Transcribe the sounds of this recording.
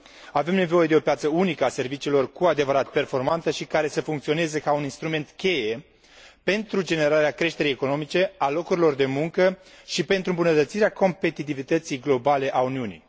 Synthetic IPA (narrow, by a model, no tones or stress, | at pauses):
ave̞mne̞vo̞je̞d̪e̞o̞pjat̪səunikəase̞rvit͡ʃiːlo̞rkuad̪e̞vəɾat̪̚pe̞rfo̞rmant̪əʃikaɾe̞səfuŋkt̪sio̞ne̞zekauninst̪ɾume̞nt̪kʲe̞je̞ | pe̞nt̪ɾud͡ʒe̞ne̞ɾaɾeakɾe̞ʃt̪e̞ɾejeko̞no̞mit͡ʃe̞alo̞kuɾilo̞rd̪e̞muŋkə | ʃipe̞nt̪ɾuɨmbunət̪ət̪siɾeako̞mpe̞t̪it̪ivit̪ət̪sijɡlo̞bale̞ʔauniunḭj